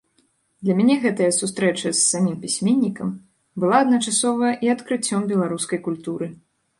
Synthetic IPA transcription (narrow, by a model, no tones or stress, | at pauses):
d̪lʲɐmʲanʲɛɣɛt̪ɐjɐsust̪ɾɛt͡ʂɐsːamʲimpʲisʲmʲenʲːikɐm | bɨlˠaɐd̪nɐt͡ʂasɔvɐjɐʔiɐt̪kɾɨt͡sʲːɔmbʲɛlˠaɾuskɐjkulʲt̪uɾɨ